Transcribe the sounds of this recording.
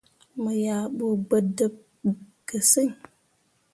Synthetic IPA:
mə˨ja˨ɓo˨ɡ͡bə˨də˦p̚ | ɡə˨sɨ˦ɲ

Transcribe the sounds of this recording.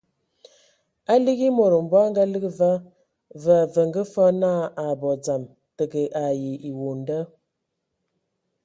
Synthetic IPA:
a˦li˦ɣi˦mo˨ɾə˨m̩˨bɔ˦a˦ŋɡa˦lə˦ɡə˦va˦ | və˨a˨və˨ŋɡə˦fɔ˦na˦˨a˨bɔ˨d͡za˨m | tə˨ɡə˨ʔa˨ji˨i˨wo˨n˦də˦

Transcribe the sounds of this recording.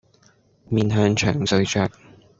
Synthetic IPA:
miː˨˧nɦœː˧˥ŋt͡ʃʰœ̰ː˨˩ŋsɵ˧ɥt͡ʃœː˧k̚

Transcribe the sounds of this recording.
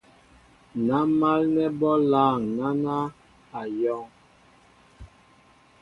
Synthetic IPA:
na˨˦ma˦lnɛ˦bɔ˦laː˦˨ŋna˦na˦ | a˨jɔ˦ŋ

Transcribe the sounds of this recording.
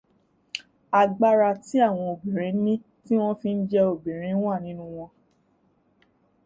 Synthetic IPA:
a˨ɡ͡ba˦ɾa˧ti˦a˦˨w̃ɔ̃˧o˨bĩ˨ɾ̃ĩ˨˦nĩ˦ | ti˦w̃ɔ̃˦fĩ˧n̩˦d͡ʒɛ˧o˨bĩ˨ɾ̃ĩ˨˦wa˦˨nĩ˦nũ˦w̃ɔ̃˧

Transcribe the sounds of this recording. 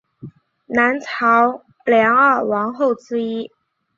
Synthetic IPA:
na˧˥nt͡sʰɑ˧˥ʊ | ljɑ˧˥ŋa˞˥˩wɑ˧˥ŋxo˥˩ʊt͡sɹ̩˥i˥

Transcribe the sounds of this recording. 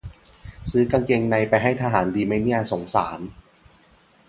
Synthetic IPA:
sɯː˦˥ka˧ŋke˧ŋna˧jpa˧jɦa˥˩jt̪ʰaː˧ɦaː˩˦ndiː˧ma˥˩jni˥˩ɐso˩˦ŋsa̰ː˩˦n

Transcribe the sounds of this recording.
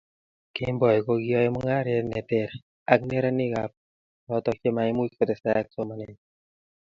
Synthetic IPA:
ke˧mbɔ˨jko˧ɡi˦ɔ˧˦mu˦ŋa˦˨ɾe˧tne˨t̪e˨ɾ | a˧˦k̚ne˦ɾa˦ni˦ka˧p̚ | lɔ˧˦t̪ɔ˧ke˧ma˧jmu˦kʰo˦t̪e˨sɛ˧˦k̚so˧ma˧˨ne˨ɲ

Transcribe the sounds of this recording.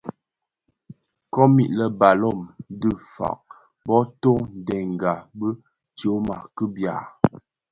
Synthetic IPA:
kɔ˦mi˨ʔlə˨ba˨lɔ˦˨mdə˦˨fa̰˨ʔ̚ | bɔ˦to˦n̩˨dɛ˨ŋ˨ɡa˨bə˦ | t͡ʃo˨˦ma˨kə˦bja̰˨

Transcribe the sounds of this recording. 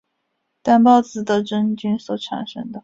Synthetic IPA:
t̪a˥˩npɑ˥˧ʊt͡sɹ̩˨˩d̪ə˧ʈ͡ʂə˥nt͡ɕy˥nswɔ˨˧˩ʈ͡ʂʰa̰˨˩nʂɤ̰˥ŋd̪ə˧

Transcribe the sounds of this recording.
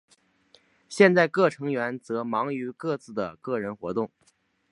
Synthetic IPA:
ɕjɛ˥˧nt͡sa˥˧ɪkɤ˥˩ʈ͡ʂʰɤ˧˥ŋɥɛ˧˥nt͡sɤ˧˥mɑ˧˥ŋy˧˥kɤ˥˧t͡sɹ̩˥˩d̪ə˩kɤ˥˩ɻə˧˥nxwɔ˧˥t̪ʊ˥˩ŋ

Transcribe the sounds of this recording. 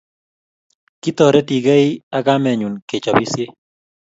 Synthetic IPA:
ki˦t̪ɔ˨ɾɛ˦ti˨ɡe˦ɪ˦a˦ka˦mɛ˨ɲu˨nke˨t͡ʃɔ˨bi˦sje˦

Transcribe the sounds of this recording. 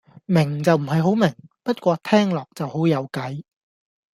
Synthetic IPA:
mɪ˨˩ŋt͡sɐ˨wm̩˨˩ɦɐ˨jɦo˨˥wmɪ˨˩ŋpɐ˥t̚kʷɔː˧t̪ʰɛː˥ŋlɔː˨k̚t͡sɐ˨who˨˥wjɐ˨˧wkɐ˨˥j

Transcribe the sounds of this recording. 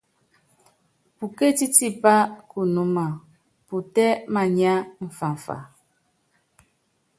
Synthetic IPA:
pu˨ke˦ti˦ti˦pa˦ku˨nu˦ma˨ | pu˨tɛ˦ma˨ɲa˦m̩˨fa˨ɱ̩˨fa̰˨

